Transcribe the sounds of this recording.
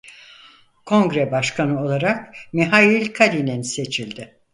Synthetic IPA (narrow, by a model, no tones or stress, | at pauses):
kʰo̞ŋɡɾɛbaʃkʰanɯo̞lˠaɾakmiɦajilʲkʰalʲinɛnse̞t͡ʃʰilʲd̪ɪ